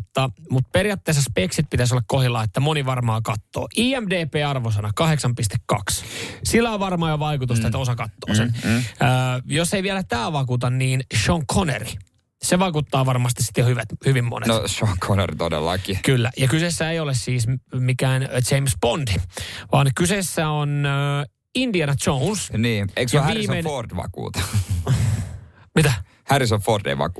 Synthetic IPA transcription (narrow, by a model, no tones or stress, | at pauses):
t̪ːɑmut̪perijɑt̪ːeːsːɑspeksit̪̚pit̪æs̬olːɑkkohilːɑːet̪ːæmoniʋɑrmɑːkɑt̪ːo̰ːʔiːæmdeːpeːɑrʋos̬ɑnɑkɑheksɑmpist̪ekkɑ̰kssilːæoʋɑrmɑːjoʋɑikut̪ust̪ɑet̪osɑkɑt̪ːoːsenəːjoseijʋiɛlæt̪æːʋɑkuːt̪ɑnniːnʃoŋkʰonḛri | seʋɑkut̪ːɑːʋɑrmɑs̬t̪isi̥t̪ːjohyʋæt̪hyʋimːo̰nḛnoʃoŋkʰonḛrit̪odḛlːɑ̰kikylːæjɑkysesːæejolessiːsmikæːnt͡ʃeimspondiʋɑnkysesːæon | indiɑnɑt͡ʃownsniːeiksjɑʋiːenord̥̪ʋɑ̰kṵːt̪ɑ̥ | mit̪æ | hæɾisoʋford̪ḛiʋɑ̰ku